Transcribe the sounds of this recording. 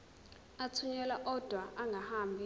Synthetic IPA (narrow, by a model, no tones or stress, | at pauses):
atʰuɲɛlaʔɔd̥ʱwaʔaŋɡʱahaːmbʱi